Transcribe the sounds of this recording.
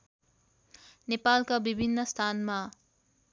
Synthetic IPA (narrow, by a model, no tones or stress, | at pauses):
nepalkabibʱinːʌst̪ʰanma